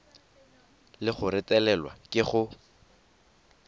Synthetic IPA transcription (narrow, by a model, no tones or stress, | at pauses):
lɪχʊɾɪtʼɛlɛlwa̰kʼɪχʊ